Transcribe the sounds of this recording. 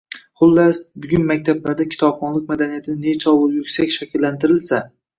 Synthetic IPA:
χʊlˠːasbʊɡʲʊnmakʲt̪ʰablaɾd̪akʲʰɪ̥t̪ʰɒbχɒnlˠɪk̚ʲmad̪anijat̪ʰɪnɪnet͡ʃʰɒwʊlˠjʊkʲsakʲʃakʲʰɪlːant̪ʰɪɾɪlsa

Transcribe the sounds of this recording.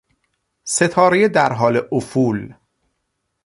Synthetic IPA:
se̞t̪ʰɒːɾejed̪æɾɦɒːleʔofuːl

